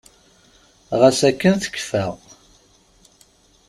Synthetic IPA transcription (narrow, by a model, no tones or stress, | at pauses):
ʁəsækːənθə̥kːfæ